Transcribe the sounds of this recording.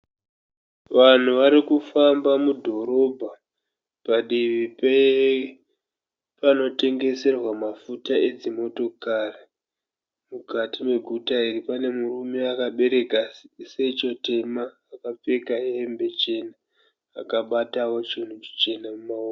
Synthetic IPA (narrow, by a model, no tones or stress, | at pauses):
ʋan̤uʋaɾikufambamudʱo̞ɾo̞bʱa | paɗiʋipe | pano̞te̞ŋɡe̞se̞rwamafutae̞d͡zimo̞to̞kari | mukatime̞ɡʱutairipane̞murume̞akaɓe̞ɾe̞kaset͡ʃo̞te̞maːkap͡fe̞kaeembe̞t͡ʃe̞naː | kaɓatawo̞t͡ʃin̤ut͡ʃi̥t͡ʃe̞namumaoː